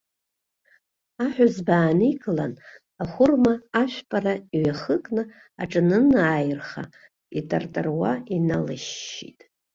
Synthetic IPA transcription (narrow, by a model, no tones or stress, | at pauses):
aħʷᶣʊzbaːniɡʼlan | aχʷʊrmaːʃʷᶣpʼaraiɥaχəkʼnɨ | a̰ʈ͡ʂʼɨnɨnajrχa̰ | itʼartʼɨrwainalɨʃːḭtʼ